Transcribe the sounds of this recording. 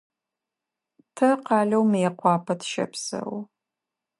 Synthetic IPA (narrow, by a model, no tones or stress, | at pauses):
tʰɐqɑːɮɐwmjɛqʷɑːpʰɐtʰʃɐ̰psɐ̰w